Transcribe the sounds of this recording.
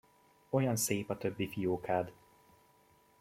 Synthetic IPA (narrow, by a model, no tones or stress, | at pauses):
o̞jɒnseːpɒt̪ø̞bːifijoːkaːd̪